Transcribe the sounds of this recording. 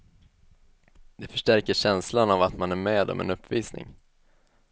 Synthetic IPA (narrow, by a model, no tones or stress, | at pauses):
d̪̥ɛfœʂʈæɾkəɕɛnslanavat̪manæɾmeːd̪ɔ̰mɛ̰nɵpːviːsnɪ̰ŋ